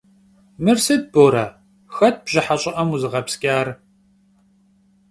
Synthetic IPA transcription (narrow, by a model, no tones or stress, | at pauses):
mɨrsɨd̚boːɾɐ | xɐt̚b̥ʑɪħaɕʼɪʔɐmuzɨʁɐpskʲʼaːr